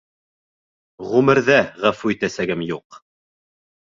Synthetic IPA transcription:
ʁʉmɘ̆ɾðæʁæfʉit̪æsæɡɘmjuq

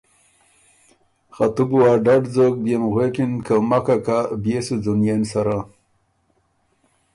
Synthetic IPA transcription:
xat̪ubuwaɖaɖd͡zok̚bjemɣwekinkawmakakabjesud͡zunjensaɾa

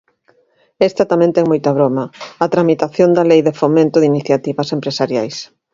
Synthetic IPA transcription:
ɛst̪ɐt̪amɛ̃nt̪ɛŋmojt̪ɐβɾomɐɐt̪ɾamit̪aθjond̪ɐlejðefomẽnt̪ʊðiniθjat̪iβɐsempɾesaɾjajs

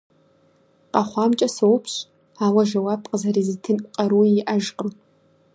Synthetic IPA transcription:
qɑχʷɑːmt͡ʃʼɐsɐwpʰɕ | aːwɐʒɐwaːp̚ʰqʼəzɐrezitʰenʷʼqʼɐɾujjɪʔɐʒqəm

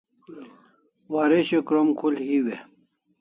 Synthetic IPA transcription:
waːɾeɕekɾomkʰulhiwe

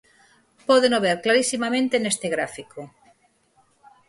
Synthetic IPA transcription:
poðenoβ̞eɾklaɾisimamẽnt̪enest̪eɣ̞ɾafiko

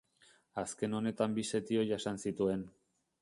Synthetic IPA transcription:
aske̞no̞ne̞t̪ambise̞t̪io̞ʝasansit̪ue̞n

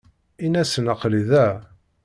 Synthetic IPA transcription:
inæsənəqliðæ

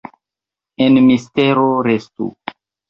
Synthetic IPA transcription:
enmisteɾoɾestṵ

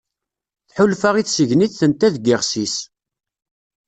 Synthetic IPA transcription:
θħʊlfaʁiθsəʝniθθənt̪æðɡiʁsis

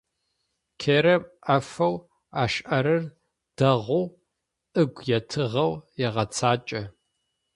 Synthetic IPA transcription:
kʰeːɾɐmɐfɐw | aːʃʔɐɾɨr | d̥ɐʁʷʊw | ʔɨɡʷjɛtʰɨʁɐwjɛʁɐt͡sʰaːt͡ʃʼɐ

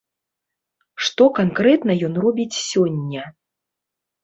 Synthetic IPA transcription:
ʂt̪ɔkankɾɛt̪nɐjɔnrɔbʲit͡sʲsʲɔnʲːɐ

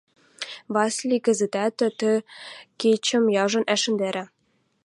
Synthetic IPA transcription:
vɑsʲlʲikɘ̆zɘ̆t̪æt̪ɘ̆t̪ɘ̆ket͡ɕɘ̆mjɑʐɤ̆nʔæʃɘ̆nd̪eɾʲɘ̆

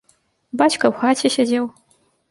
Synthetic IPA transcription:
bat͡ʃkɐwxat͡ɕʲeɕʲad͡zʲew

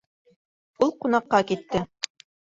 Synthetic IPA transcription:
ulˠqunɑqːɑkit̪ːɘ

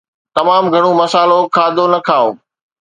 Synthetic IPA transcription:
t̪ɐmaːmɡʱɐɽ̃omɐsaːlokʰaːd̪onɐkʰaːoː

